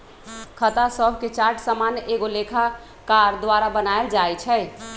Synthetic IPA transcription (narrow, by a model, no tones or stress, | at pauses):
kʰət̪asəbʱket͡ʃaɾʈsamanjʔeɡolekʰa | kaɾd̪waɾabənaeld͡ʒajt͡ʃʰɛɪ